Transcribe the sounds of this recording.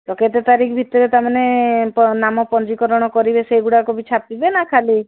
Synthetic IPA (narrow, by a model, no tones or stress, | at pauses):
t̪ɔket̪et̪aɾikʰbʱit̪ɔɾet̪amanepɔnamɔpɔnd͡ʒikɔɾɔɽ̃ɔkɔɾibeseɡuɽakobʱit͡ʃʰapibenakʰali